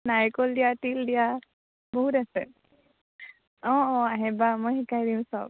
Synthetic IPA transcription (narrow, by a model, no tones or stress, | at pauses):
najkɔldijatildija | boɦutasɛ̰ | ɔɔaɦɛbamojxikajdiʊ̃saʊ